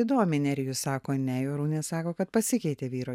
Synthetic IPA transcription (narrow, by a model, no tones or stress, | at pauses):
ɪd̪oːmʲɪnʲɛɾʲɡʲjʊsɑːkoːnʲɛjoːɾuːnʲeːssɑːkoːkɐt̪̚pɐsʲɪkʲɛɪt̪ʲeːʋʲiːɾoː